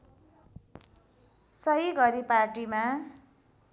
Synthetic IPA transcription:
sʌɦiɡʌɾiparʈima

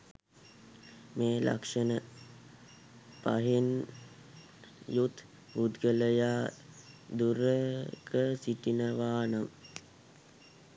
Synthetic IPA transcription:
meːlʔa̰kʂənə | pa̰ɦin | jut̪ | bud̪ɡələjaː | d̪uɾəkəsiʈinəʋaːnəm

